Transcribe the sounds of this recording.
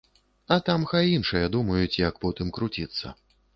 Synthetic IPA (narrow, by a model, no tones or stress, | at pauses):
ɐt̪amxajinʂɨjɐd̪umɐjut͡sʲjɐkpɔt̪ɨmkɾut͡sʲit̪sːɐ̰